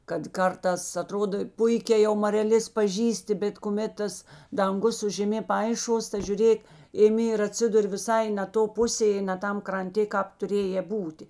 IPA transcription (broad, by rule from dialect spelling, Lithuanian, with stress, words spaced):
kɐt ˈkɐrtɑːs ɐˈtroːdoː ˈpʊɪkʲɛː jɛʊ mɐrʲɛˈlʲeːs pɐˈʒʲiːsʲtʲɪ bʲɛt kʊˈmʲɛt tɐs dɐŋˈɡʊs sʊ ʒʲɛˈmʲeː ˈpɐɪˌʃuɔs tɐ ʒʲʊˈrʲeːk ɪˈmʲɪ ɪr ɐtʲˈsʲɪdʊrʲ ʋʲɪˈsɐɪ nʲɛ ˈtoː ˈpʊsʲeː ɪ nʲɛ ˈtɐm krɐnʲˈtʲeː ˈkɑːp tʊˈrʲeːjeː ˈbuːtʲeː